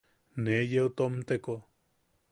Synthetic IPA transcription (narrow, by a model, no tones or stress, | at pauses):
nejeut̪omt̪eko